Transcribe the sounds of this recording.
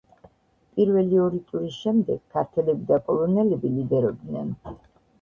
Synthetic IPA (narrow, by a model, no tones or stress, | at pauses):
pʼiɾvɛliɔɾit̪ʼuɾisʃɛmd̪ɛɡ̥kʰːaɾt̪ʰɛlɛbid̪akʼɔlˠɔnɛlɛbilid̪ɛɾɔb̚d̪nɛn